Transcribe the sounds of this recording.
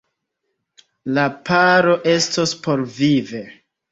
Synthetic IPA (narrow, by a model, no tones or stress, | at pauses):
lapʰaɾo̞ʔe̞stospo̞ɾvive̞